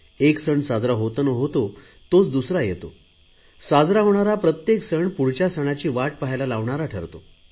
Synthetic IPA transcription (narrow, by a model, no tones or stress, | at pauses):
eksəɳsad͡zɾaɦot̪ənəɦot̪o | t̪ot͡sd̪usɾajet̪o̰ | sad͡zɾaɦoɳ̃aɾapɾət̪jeksəɳpuɽ̤t͡ɕjasəɽ̃at͡ɕiːʋaʈ̚paɦjlalaʋɳaɾaʈʰə̰ɾt̪o